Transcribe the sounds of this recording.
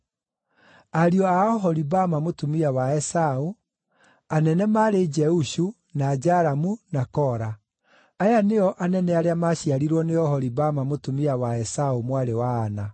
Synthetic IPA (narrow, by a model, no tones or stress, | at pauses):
aɾiɔaɔɦɔɾibamamotumiawaɛsao | anɛnɛmaɾed͡ʒɛuɕu | nad͡ʒaɾamunakɔːɾa | ajaneɔʔanɛnɛaɾeamaɕiaɾiɾwɔneɔhɔɾibamamotumiawaɛsaomwaɾewaːna